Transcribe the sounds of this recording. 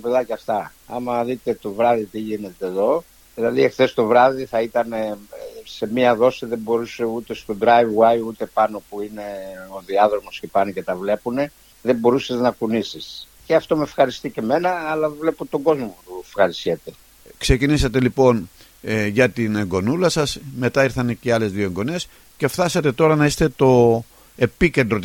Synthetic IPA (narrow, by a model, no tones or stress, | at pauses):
t̪opeðɐcɐft̪ɐ | ɐ̰mɐðit̪e̞t̪o̞vɾɐðit̪iʝine̞t̪e̞ːðo̞ | ðilɐðiexθe̞st̪o̞vɾɐðiθɐit̪ɐnese̞miɐðo̞siðebo̞ɾuse̞ut̪e̞st̪o̞d̪ɾajvwajut̪e̞pɐno̞puine̞o̞ðiɐðɾo̞mo̞scepɐnoce̞t̪ɐvle̞pune̞ | ðe̞bo̞ɾuseznɐkunisisceɐft̪o̞mefxɐɾist̪iceme̞nɐːlɐvle̞pot̪o̞ɡo̞zmopufxɐɾisçet̪e | kse̞cinisɐt̪e̞lipo̞n | ʝɐt̪ineŋɡo̞nulɐsɐsme̞t̪ɐiɾθɐnceɐle̞zðioeŋɡo̞nes | ce̞fθɐsɐt̪e̞t̪o̞ɾɐnɐist̪e̞t̪o̞ | e̞pice̞nd̪ɾo̞t̪